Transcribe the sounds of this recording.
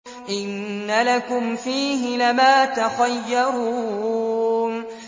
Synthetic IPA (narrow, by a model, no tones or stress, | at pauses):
ʔɪnːalakʊmfiːɦɪlamaːt̪axajːɑɾu | n